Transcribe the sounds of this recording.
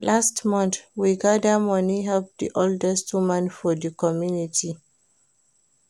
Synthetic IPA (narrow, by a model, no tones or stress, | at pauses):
lʔastmɔ̃nθwiɡadəmɔniɦɛlp̚dḭʔoldɛstwumãnfɔðəkɔmjunitʰi